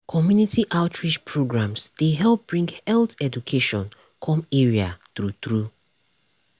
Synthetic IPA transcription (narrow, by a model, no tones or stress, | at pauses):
kʰɔmjunitʰiʔaʊtʰɹid͡ʒpʰɹoɡɹãmsd̥eɦɛlˠp̚b̥ɹĩŋɡhɛltɛdukʰeʃɔ̃n | kʰɔ̃meɹiatɹutɹu